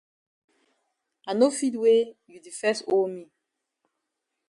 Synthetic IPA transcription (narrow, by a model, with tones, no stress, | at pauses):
a˨no˦fi˦twe˦ju˨di˨fɛ˦sto˦mi˦